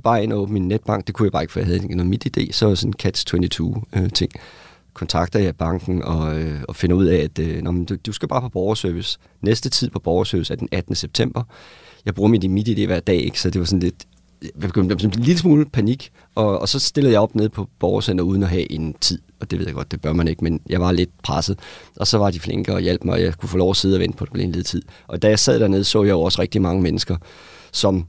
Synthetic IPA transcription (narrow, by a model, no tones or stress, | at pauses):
b̥ɑ̈ːe̝nɐɔːb̥nəminːed̥̚b̥ɑ̈ŋ̰ɡ̥̚d̥e̝kʰujɑbɑ̈ːe̝ɡ̥fɔ̰j̰ɑɦæð̩ˠenomid̥id̥e̝̰ːsɒ̽ʋdesɔ̽nn̩kʰæd̥st͡sʰwent͡sʰit͡sʰuːøt͡sʰe̝ŋ̰ | kʰɒ̽nt͡sʰɑ̈ɡ̥̚d̥ɐðjɑ̈ɪb̥ɑ̈ŋ̰ɡ̥n̩ɒ̽øɒ̽fe̝nɐuð̞̰ˠɛæd̥ønɒmend̥ud̥usɡ̥æb̥ɑ̈ːpʰɒ̽b̥ɒʊɐsøɐʋis | nesd̥ət͡sʰið̰ˠpʰɒ̽b̥ɒʊɐsøːʋisæɐd̥enæd̥ənəseb̥̚t͡sʰem̰b̥ɐ | jɑ̈ɪbʁuːɐmid̥inmid̥ide̝̰ːʋæɐ̰d̥ɛ̰ːe̝ɡ̥sɒ̽d̥e̝ʋɑ̈sɔ̽n̩le̝d̥ | b̥eɡøn̰d̥snliləsmuːlpʰæniɡ̥ | ʔɒ̽ːsɒ̽sd̥e̝ləð̩ˠjɑ̈ɪɒ̽b̥neð̞ˠpʰɒ̽b̥ɒʊɐsen̰ɐuːð̞ˠn̩ɒɦɛʔe̝nt͡sʰið̰ˠɒ̽d̥e̝ʋe̝ð̰ˠjɡ̥ɒ̽d̥d̥e̝b̥ɶɐmæne̝ɡ̥menjɑ̈ɪʋɑ̈le̝d̥pʰʁɑsð̩ˠʔɒ̽sɒ̽ʋɑ̈difleŋɡ̥əɒ̽jel̰b̥mɑ̈ɪɒ̽jɑ̈ɪkʰufɔːlɒʊ̰ɐse̝ð̞̩ˠɒʋen̰d̥əpʰɒ̽d̥e̥elḛnleð̩ˠt͡sʰið̞̰ˠʔɒ̽d̥æjɑ̈ɪsɛð̞̰ˠd̥æɐne̝ð̞ˠsɔ̰ːjɑ̈ɪjo̝ɒ̽səʁɛɡ̥̚d̥imɑ̈ŋəmenəsɡ̥ɐ | sɒ̽m